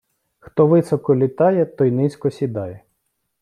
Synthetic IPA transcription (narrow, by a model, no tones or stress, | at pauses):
xt̪ɔʋɪsɔkɔlʲit̪ɑjɛt̪ɔjnɪsʲkɔsʲid̪ɑjɛ